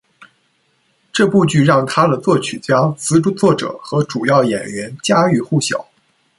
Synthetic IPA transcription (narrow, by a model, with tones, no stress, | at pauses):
ʈ͡ʂɤ˥˧pu˥˧t͡ɕy˥˧ɻɑ˥˩ŋt̪ʰa˥d̪ə˨t͡swɔ˥˩t͡ɕʰy˨˩t͡ɕjɑ˥t͡sɹ̩˧˥ʈ͡ʂu˥t͡swɔ˥˩ʈ͡ʂɤ̰˨˩˦xɤ˧˥ʈ͡ʂu˨˩jɑ˥˩ʊjɛ̰˨˩nɥɛ˧˥nt͡ɕja˥y˥˧xu˥˩ɕjɑ̰˨˩˦